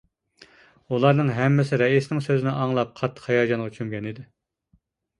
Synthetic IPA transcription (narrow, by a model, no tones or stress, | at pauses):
ulˠɑɾnɨŋɦɛmːɪsɪɾɛisnɪŋsøzɪnɪʔɑŋlˠɑp̚qʰɑt̪ʰːə̥χhɛjɑːd͡ʒɑnʁɑt͡ʃʰymɡʲɛnɪd̪ɪ